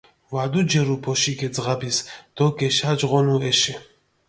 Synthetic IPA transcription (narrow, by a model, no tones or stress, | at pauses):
vad̪ud͡ʒɛɾupʰɔʃikɛzʁabisd̪̥ɔkʼɛʃad͡ʒʁɔnuɛʃɛ